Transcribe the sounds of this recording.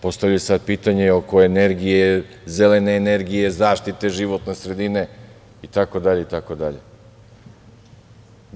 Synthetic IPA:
po̞st̪aʋʎasad̪̚piːt̪aɲeo̞ko̞eneɾɡije | zeleneːneɾɡije̞zaːʃt̪it̪e̞ʒiʋot̪ne̞sɾe̞d̪ine̞ | it̪ako̞d̪aʎe̞it̪akod̪aʎḛ

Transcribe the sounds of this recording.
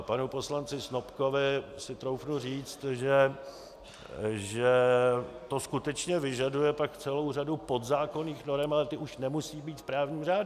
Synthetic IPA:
panupo̞slant͡sɪsnopko̞vɪsɪt̪ɾo̞wfnuriːt͡st̪ʒɛ | ʒɛ | t̪o̞skut̪ɛt͡ʃɲɛvɪʒadujɛpakt͡sɛlo̞wr̝adupo̞d̪zaːko̞niːxno̞ɾɛmalɛt̪ɪuʃnɛmusiːbiːt̪spɾaːvɲiːmr̝aːdu

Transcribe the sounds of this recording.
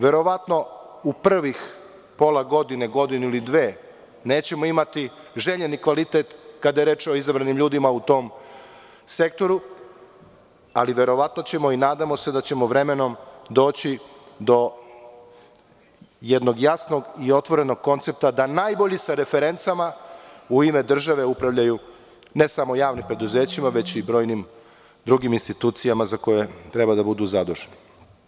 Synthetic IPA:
ʋe̞ɾo̞ʋat̪no̞upr̩ʋix | po̞lˠaɡo̞d̪ineɡo̞d̪ineilid̪ʋe̞ː | ne̞ːt͡ɕe̞moimat̪i | ʒe̞ʎenikʋalit̪et̪kad̪ajeɾe̞ːt͡ʃo̞izabɾanimʎuːd̪imaut̪o̞ːm | se̞k̚t̪o̞ɾu | a̰liʋe̞ɾo̞ʋat̪not͡ɕe̞mo̞inaːd̪amo̞se̞d̪at͡ɕe̞moʋɾeme̞no̞md̪o̞ːt͡ɕi | d̪o̞ | jed̪no̞ɡjasno̞ɡio̞t̪ʋo̞ɾe̞no̞ɡ̚ko̞nt̪se̞p̚t̪ad̪anajbo̞ʎisaɾe̞fe̞ɾe̞nt̪samauime̞d̪r̩ʒaʋe̞upɾaʋʎaju | ne̞samo̞jaːʋnimpɾe̞d̪uze̞ːt͡ɕimaʋe̞t͡ɕibɾo̞ːjnim | d̪ɾuɡiminst̪it̪uːt̪sijamazako̞je̞t̪ɾe̞bad̪abud̪uzad̪oʒeni

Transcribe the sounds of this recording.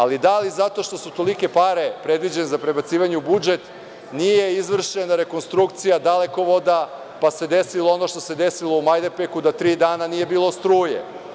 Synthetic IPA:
alid̪alizat̪o̞ʃt̪o̞sut̪o̞like̞paɾe̞pɾe̞d̪ʋid͡ʑe̞nezapɾe̞bat̪siːʋaɲeubud͡ʒe̞t̪ | nije̞izʋr̩ʃe̞naɾeko̞nst̪ɾukt̪sijad̪ale̞ko̞ʋo̞d̪a | pase̞d̪e̞silˠoo̞no̞ʃt̪o̞se̞d̪esilo̞umajd̪eɾpekud̪at̪ɾiːd̪aːnanije̞biːlˠo̞st̪ɾuːjḛ

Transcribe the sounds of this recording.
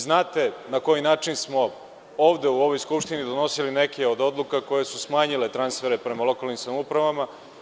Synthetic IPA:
znaːt̪e̞nako̞jinaːt͡ʂinsmo̞ | oːʋd̪e̞uo̞ʋo̞jskupʃt̪inid̪o̞no̞silinekeo̞d̪o̞d̪lˠukako̞je̞susmaːɲile̞t̪ɾansfe̞ɾepɾe̞malˠo̞kaːlnimsamupɾaʋama

